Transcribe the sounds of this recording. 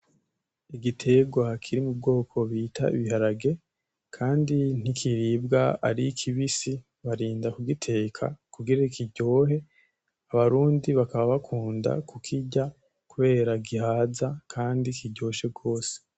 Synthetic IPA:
iɡitʰe̞ɡwakʰiɾimub̚ɡo̞ːkʰo̞βiːtʰa̰ḭβihaɾaɡe̞ | kʰaːndin̥ikʰiɾiːb̚ɡaa̰ɾikʰiβisi | βaɾiːndakuɡitʰe̞ːkʰa̰kuɡiɾaikiɟo̞ːɦe̞ | aβaɾuːndiβakaβaβakʰuːnda̰kukʰiɟa | kuβe̞ːɾaɡihaːzakʰaːndikiɟo̞ːʃe̞b̚ɡo̞ːse̥

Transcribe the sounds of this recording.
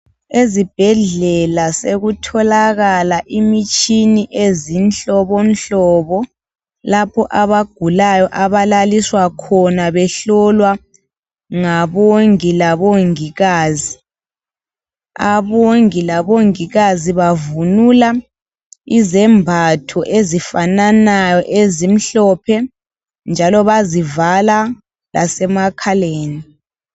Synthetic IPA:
ezib̥ʱɛɮɛlaseɣutʰɔlaɣalaʔimit͡ʃʼiniʔezint͡ɬɔβɔnt͡ɬɔβɔ | lapʰɔʔaβaɡ̥ʱulajɔʔaβalaliswakʰɔnaβɛɬɔlwa | ŋaβoŋilaβoŋiɣaːzi | a̰βoŋilaβoŋiɣaziβavunula | izɛmbʱatʰɔʔezifananajɔʔezim̩ɬɔpʰɛ | nd͡ʒʱalɔβazivala | la̰sɛmakʰaleːni

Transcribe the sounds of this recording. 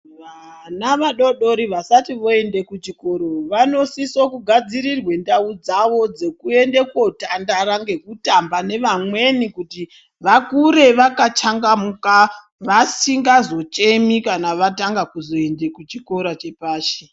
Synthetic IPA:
ʋa | naʋaɗo̞ɗo̞ɾiʋasatiʋo̞e̞nde̞kut͡ʃiko̞ɾo̞ʋano̞sisokuɡʱad͡ziɾirwe̞ndaud͡zaʋo̞d͡ze̞kue̞nde̞kwo̞tandaɾaŋɡe̞kutambane̞ʋamwe̞nikuti | ʋakuɾe̞ʋakat͡ʃaŋɡamuka | ʋasiŋɡazo̞t͡ʃe̞mikanaʋataŋɡakuzo̞e̞nde̞kut͡ʃiko̞ɾat͡ʃe̞paːʃe

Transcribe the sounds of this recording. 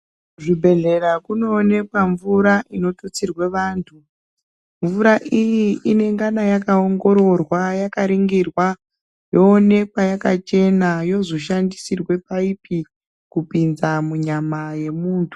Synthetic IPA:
ʐibʱe̞ɮe̞rakuno̞ːne̞pwaɱvuɾaʔino̞tot͡sirwe̞ʋaːntʰu | ɱvuɾaʔijiine̞ŋɡanajakaoŋɡo̞ɾo̞rwajakaɾiŋɡirwa | jo̞ːne̞kwajakat͡ʃe̞najo̞zo̞ʃandisirwe̞paipi | kupinzamuɲamaje̞muːntʰu̥

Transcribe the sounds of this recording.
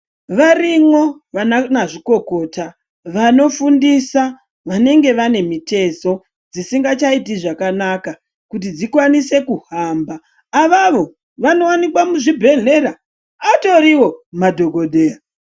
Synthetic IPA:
ʋarimwo̞ | ʋananaʐiko̞ko̞ta | ʋano̞fundisa | ʋane̞ŋɡe̞ʋane̞mite̞so̞ | d͡zisiŋɡat͡ʃaitiʐakanaka | kut̬id͡zikwanise̞kuhambaː | ʋaʋo̞ | ʋano̞wanikwamuʐibʱe̞ɮe̞ɾa | ato̞ɾiwo̞madʱo̞ɡʱo̞dʱeːa

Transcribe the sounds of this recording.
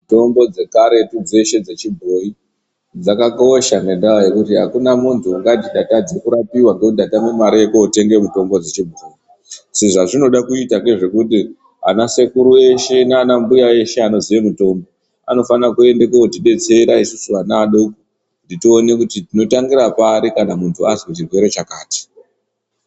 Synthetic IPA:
to̞mbo̞d͡ze̞kaɾe̞tud͡zeʃe̞d͡ze̞t͡ʃibʱo̞i | d͡zakako̞ʃane̞ndawaje̞kutiɦakunamuntʰuŋɡadiɗatad͡zekuɾapiwaŋɡekundatamemaɾiekoote̞ŋɡe̞muto̞mbo̞d͡zet͡ʃibʱoi | seʐaʐino̞ɗakuitake̞ʐe̞kuti | a̰nase̞kuɾue̞ʃe̞naanambujae̞ʃe̞ano̞ziʋemuto̞mbo̞ | a̰no̞fanakue̞ndekeotiɗe̞t͡se̞ɾaisusuanaːɗoku | nditione̞kutitino̞taŋɡiɾapaɾikanamuntʰuazwet͡ʃirwe̞ɾe̞t͡ʃakaːti̥

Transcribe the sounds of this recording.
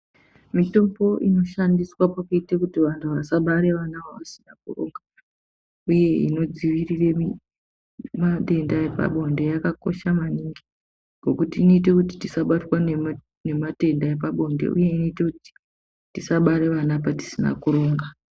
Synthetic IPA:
mito̞bo̞ʔino̞ʃandiswapakuitekutiʋantʰuʋasaɓaɾe̞ʋanaoʋasi̥nakuro̞̰ŋɡa | uje̞ḭno̞d͡ziʋirire̞mi | maɗe̞ndaepa̰ɓo̞nde̞jakako̞ʃamaniŋɡi | ɡ̥ʱo̞kutiːno̞it̬e̞kuti̥tisaɓatwa | ne̞mate̞ndaep̬aɓo̞ndḛʔṵje̞ino̞ite̞kuti̥ | tisaɓaɾe̞ʋanapati̥sina̰kuɾo̞ːŋɡa

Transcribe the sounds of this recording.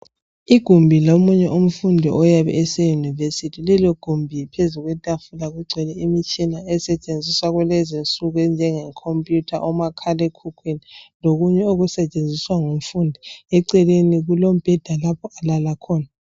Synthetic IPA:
iɡ̥ʱumbʱilomuɲɛʔum̩fundʱiʔɔjaβɛ̰ʔɛsɛjunivesitʰilɛloɡ̥ʱumbʱipʰezuɣwɛtʼafulaɣuɡ͡ǀʱɛlɛimit͡ʃʼinaɛsɛt͡ʃʼend͡zʱiswaɣwɛlɛzint͡sʼuɣɛnd͡ʒʱɛŋɛŋkʰompʼjutʰaʔɔmakʰalɛkʰukʰwiniloɣuɲɛoɣusɛt͡ʃʼend͡zʱiswaŋum̩fundʱiɛǀɛleniɣulom̩b̥ʱɛd̥ʱalapʰɔalalakʰɔːna

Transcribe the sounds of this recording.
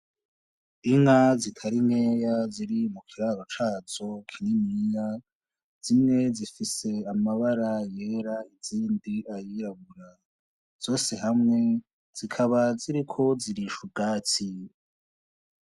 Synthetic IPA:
iŋazitʰaɾinheːjaziɾimukʰiɾaɾot͡ʃaːzo̞kʰinimija | z̥imŋe̞zifise̞amaβaɾajeːɾaiziːndiajiɾaβuɾa | z̥o̞ːse̞ɦamŋe̞ | z̥ikʰaβaziɾikʰo̞ziɾiːʃub̚ɡaːt͡si

